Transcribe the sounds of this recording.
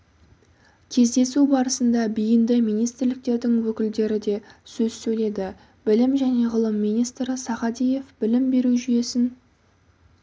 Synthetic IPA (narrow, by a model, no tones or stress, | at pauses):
kʲʰe̞zd̪e̞subɑɾəsənd̪ɑbijɪnd̪ɪmijnijst̪ɾlɪk̚t̪e̞ɾd̪ɪŋwɵkʲɪld̪e̞ɾɪd̪e̞sɵzsɵjle̞d̪ɪ | b̥ɪlɪmʒæne̞ʁəlˠəmːijnijst̪ɾəsɑʁɑd̪ije̞fb̥ɪlɪmbe̞ɾuʒyje̞sɪn